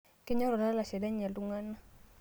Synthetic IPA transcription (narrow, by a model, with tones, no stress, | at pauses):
ke˦ɲɔ˦ɾɔ˨la˦la˨sɛ˨da˦ɲ˨a˨ltu˦ŋa˦na˦